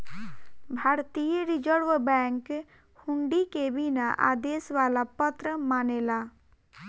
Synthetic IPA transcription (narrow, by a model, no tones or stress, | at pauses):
bʱaːɾt̪ijəɾid͡ʒəɾʋbɛ̃ŋk | huɳɖikebinaʔa̰ːd̪eːsʋaːlapət̪ɾəmaːneːlaː